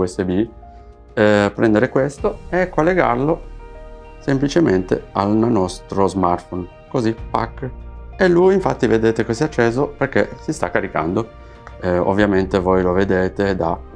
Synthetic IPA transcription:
uɛsːebi | ɛpɾɛnd̪eɾekwest̪oekːolːeɡa̰rlo | semplit͡ʃement̪ḛalnnɔst̪ɾozmart̪fon | kozipːa̰kːelːujiɱfat̪ːived̪eːt̪ekesiat͡ʃːeːzoperkesist̪akːaɾika̰nd̪o | o̰vːjament̪evojloved̪eːt̪ed̪a

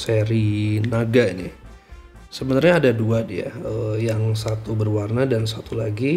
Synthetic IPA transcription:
seɾinaɡainḭ | səbənarɲaːdaduadia̰əjaŋsat̪ubərwarnadans̬at̪ulaɡi

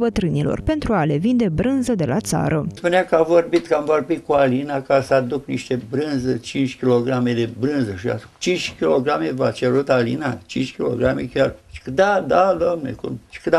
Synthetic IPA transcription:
bət̪ɾɨnilo̞̰rpe̞nt̪ɾuale̞vind̪e̞bɾɨnzəd̪e̞lat̪sa̰ɾʔəspuneakəavo̞rbit̪kəamvo̞rbit̪kualinakasəad̪uk̚niʃt̪ebɾɨnzət͡ʃint͡ʃʲkʲilo̞ɡɾamed̪ebɾɨnzəʃia̰st͡ʃint͡ʃʲkʲilo̞ɡɾamevat͡ʃeɾut̪alḭnat͡ʃint͡ʃʲkʲilo̰ɡɾamekʲart͡ʃkd̪ad̪ad̪amnḛkṵmt͡ʃi̥kɨd̪

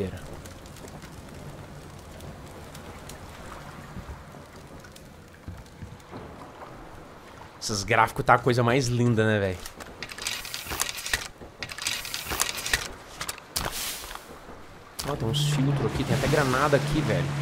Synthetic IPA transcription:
eɾɐ | sɐzɡɾafi̥kʊt̪akojzɐmajzlĩnd̪ɐnɛvɛjʊ | ɔt̪ẽj̃sfiwt̪ɾʊakit̪ẽj̃at̪ɛɡɾanad̪ɐːkʰivɛʎʊ

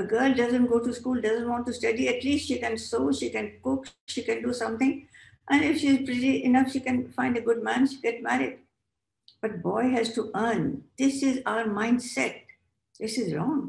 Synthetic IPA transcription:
əɡəːlɖʌzə̃nʈɡoːʈuskuːlɖʌzə̃nʈwɔ̃ːɳʈːusʈʌɖiɛʈliːstʈʃiːkɛ̃nsoːʃikɛ̃nkʊkʃiːkɛ̃nɖusʌ̃mt̪ɪ̃ŋ | ʔɛ̃nɪfʃiːzpɾɪʈiʔɪnʌfʃikɛ̃nfãɪ̃nɖəɡʊɖ̚mæ̃nʃiɡɛʈmæɾɪɖ̚ | b̥ʌʈ̚bɔɪɦæzʈuʔəːnd̪̥ɪsɪzaʊəɾmãɪ̃nɖsɛʈ̚ | d̪ɪsɪzɾɔ̰̃ːŋ

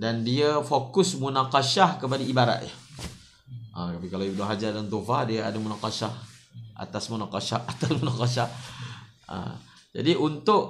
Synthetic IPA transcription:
dandiafokʊsmunaqɑʃahkəp̬adaibaɾa̰ʔ̪ja | ʔa̰t̪apikalaiudaɦad͡ʒadant̪ofadiaa̰damunaqɑʃahʔa̰t̪asmunaqɑʃaat̪asmunakɑʃah | ə̰ | d͡ʒa̰diʔunt̪ʊʔ

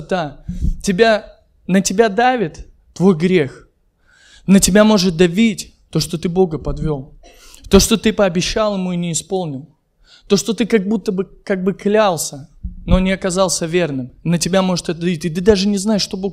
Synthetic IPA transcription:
d̪atʲɪbʲa | nətʲɪbʲad̪avʲɪt̪ː | vo̞jɡɾʲe̞x | nətʲɪbʲamo̞ʐɨt̪̚d̪ɐvʲitʲ | t̪o̞ʂt̪o̞t̪ɨbo̞ɡəpɐd̪vʲo̞lˠ | t̪o̞ʂt̪o̞t̪ɨpəɐbʲɪɕːalˠjɪmuinʲɪːspo̞lˠnʲɪlˠ | t̪o̞ʂt̪o̞t̪ɨkɐɡ̚but̪ːəbɨkaɡ̚bɨklʲalˠsʲəno̞nʲɪɐkɐzɑlˠsʲəvʲe̞rnɨmnətʲɪbʲamo̞ʐɨt̪ɛt̪əd̪ɐvʲitʲɪt̪̬ɨd̪aʐɨnʲɪznaɪʂːt̪o̞bo

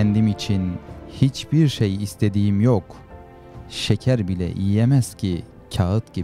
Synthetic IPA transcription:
ɛnd̪imit͡ʃʰinhit͡ʃbiɾʃejːst̪ʰe̞d̪ijimjok | ʃecʰæɾbilʲɛ̰ʔḭemæz̥cʰi | cʰaɯt̪ci

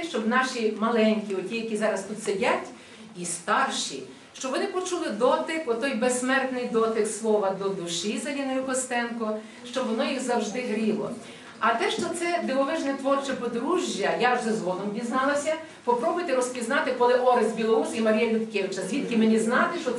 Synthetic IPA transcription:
ʃt͡ʃɔbnɑʃimɐlˠɛnʲkʲiɔtʲijɐkʲizɑɾɐst̪ut̪sedʲatʲ | ist̪ɑrʃḭ | ʃt͡ʃɔbʋɔnɪpɔt͡ʃulˠɪd̪ɔt̪ɪkɔt̪ɔjbesːmɛrt̪nɪjd̪ɔt̪ɪkslˠɔʋɐd̪ɔd̪ʊʃizɐlʲinɔjʊkɔst̪ɛnkɔ | ʃt͡ʃɔbʋɔnɔjiɣzɐwʒd̪ɪɦɾʲilˠɔ̰ | ɐt̪ɛʃt͡ʃɔt̪sɛd̪ɪlˠɔʋɪʒnɛt̪ʋɔrt͡ʃɛpɔd̪ɾuʒʲjːɐjaʒzɛzʋɔd̪ɔmdʲiznɑlˠɐsʲɐ | pɔpɾɔbʊjt̪ɪɾɔspʲiznɑt̪ɪkɔlˠɪʔɔɾɐzʲbʲilˠɔɾusimɐɾʲijɐlʲʊt̪kʲeʋɪt͡ʃɐzʲʋʲit̪kɪmenʲiznɑt̪ɪʃt͡ʃɔ

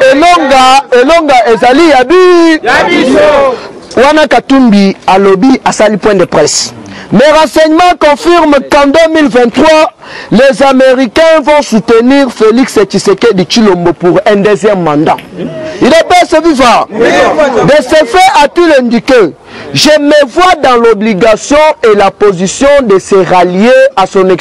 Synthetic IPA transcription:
elɔŋɡaelɔŋɡaezalijabi | wanakatumbialobiasalipwɛ̃dəpʁɛsmeʁɑ̃sɛɲmɑ̃kɔ̃fiʁmkãdəmilvɛ̃ntʁwa | lezameʁikɛ̃vɔ̃sut̪əniʁfelikset͡ʃisekedit͡ʃilombopuʁɛ̃d̪ezjɛmːɑ̃nd̪ɑ̃ilepɛseviva | d̪esefɛatylɛnd̪ike | ʒemevwad̪ɑ̃lɔbliɡasjɔ̃elapozisjɔ̃d̪eseʁaljeasɔ̃nɛk

